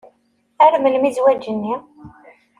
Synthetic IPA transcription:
æɾməlmizwæd͡ʒːənːi

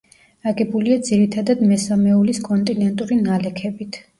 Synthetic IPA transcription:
aɡɛbuliad̪ziɾit̪ʰad̪ad̪mɛsamɛuliskʼɔnt̪ʼinɛnt̪ʼuɾinalɛkʰɛbit̪ʰ

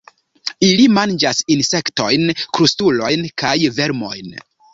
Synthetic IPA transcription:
ilimand͡ʒasinse̞kto̞jnkɾustulo̞jnkajve̞ɾmo̞̰jn

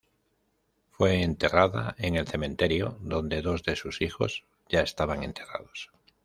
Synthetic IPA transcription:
fwe̞ːnt̪e̞raða̰e̞ŋe̞lθe̞mẽ̞nt̪e̞ɾjoðo̞nd̪e̞ðo̞zðe̞susixo̞z | ʝae̞st̪aβaŋe̞̰nt̪ʰe̞ra̰ð̞o̞s

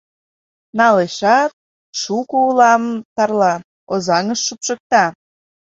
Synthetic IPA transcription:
nɑleʃɑt̪̚ | ʃukuulɑmt̪ɑrlɑ | ozɑŋəʃːupʃək̚t̪ɑ

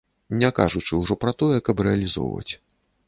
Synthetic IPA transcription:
nʲɛka̰ʐut͡ʂɨwʐɔpɾɐt̪ɔjɛkɐpɾɛɐlʲizɔ̰wvɐ̰t͡sʲ

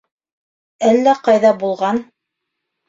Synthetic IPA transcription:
ælːæqɑjðɑbulˠʁɑn

